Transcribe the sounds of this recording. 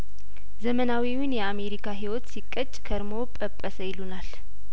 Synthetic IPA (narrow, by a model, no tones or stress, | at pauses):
zəmənawiwʊnjɛame̞ɾikʰaɦiwɔt̪sikʼːət͡ʃʼkʰəɾmo̞pʼəpʼːəsəjɪlunal